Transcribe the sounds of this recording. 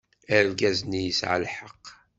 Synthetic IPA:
æɾlɡæznijəsʕə̰lħəq

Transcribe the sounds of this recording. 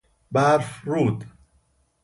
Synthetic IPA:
bæɾfɾuːd̪

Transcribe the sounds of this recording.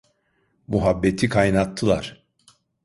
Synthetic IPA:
muɦabːet̪ʰikʰajnat̪ʰːɯlˠaɾ̥

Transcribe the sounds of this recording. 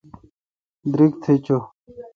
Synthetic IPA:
d̪ɾik̚t̪ʰet͡ɕo

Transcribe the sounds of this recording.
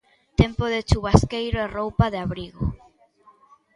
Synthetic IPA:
t̪ɛmpoðet͡ʃuβaskejɾoɛrowpaðɪaβɾiɣo̰

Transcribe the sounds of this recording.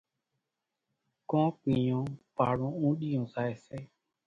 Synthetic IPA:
kɔ̃k͡pĩɲɔ̃paɾũũɗiũzaɛsɛ

